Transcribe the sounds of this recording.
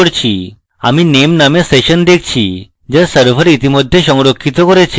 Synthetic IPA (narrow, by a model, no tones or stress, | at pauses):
ɽt͡ɕʰi | a̰minemnamẽseɕənd̪ekʰt͡ɕʰi | d͡ʑəɾsəɾfʰəɾit̪iməd̪ʱːjeɕɔ̃ŋɾokʰːit̪ɔkɔɾat͡ɕʰe